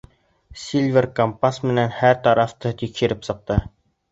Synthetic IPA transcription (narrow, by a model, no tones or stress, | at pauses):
sʲilʲvʲerkompasmɘ̆nænhæɾt̪ɑɾɑft̪ɤt̪ikʃɘ̆ɾɘpsɤ̆q̚t̪ɤ